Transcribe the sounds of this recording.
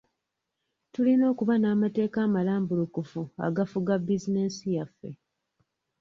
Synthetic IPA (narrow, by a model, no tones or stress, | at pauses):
tulino̞ːkuβanaːmate̞ːkaːmalaːmbulukufua̰ɡafuɡabːizine̞sijafːe̞